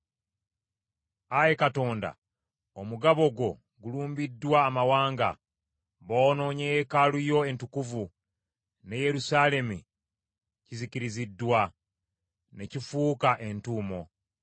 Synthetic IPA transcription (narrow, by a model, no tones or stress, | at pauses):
aje̞kato̞ːnda̰ | omuɡaβo̞ɡwo̞ | ɡuluːmbidːwaːmawaːŋɡa̰ | βoːno̞ːɲejekalujo̞e̞ntukuvu | ne̞je̞ɾusaːle̞mu | ciziciɾizidːwa | ne̞cifuːkaʔe̞ntuːmo̞